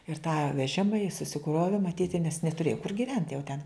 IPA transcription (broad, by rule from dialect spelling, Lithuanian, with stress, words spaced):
ɪr tɑː ʋʲɛˈʒʲɪmɐ jɪs sʊsʲɪˈkroːʋʲɪ mɐˈtʲiːtʲɪ nʲɛs nʲɛtʊˈrʲeːjɛ kʊr ɡʲɪˈʋʲɛnt jɛʊ tʲɛn